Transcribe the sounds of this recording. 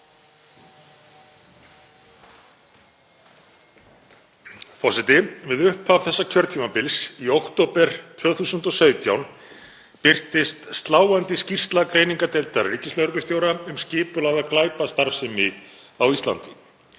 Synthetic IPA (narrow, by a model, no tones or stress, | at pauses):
fɔsɛt̪ɪvɪðʏhpʰav̥θɛsːacʰvœɾt̪ʰiːmapɪlsiowkt̪oːpɛɾ̥t̪ʰv̥œːɣθuːsʏnt̪ɔsœːɥt̪jawn | pɪr̥t̪ɪst̪st̪laːwant̪ɪscir̥st̪lakɾeːjniŋkat̪ɛlt̪aɾriːcɪslœɣɾkʏst̪jowɾaʏmscɪːpʏlaɣðaðklaːjpast̪aɾfsɛmɪ | awist̪la̰nt̪ɪ